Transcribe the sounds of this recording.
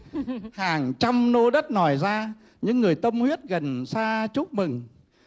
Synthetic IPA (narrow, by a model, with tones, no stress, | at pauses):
haː˨˩ŋt͡ɕa˧mno˧ɗə˦˥t̚nɔ˨˩jzaː˧ | ɲɨ̰˧˥ŋːɨ˨˩əjt̪ə˧mhwi˦˥ət̚ɣə˨˩nsaː˧t͡ɕu˦˥k͡p̚mɨ˨˩ŋ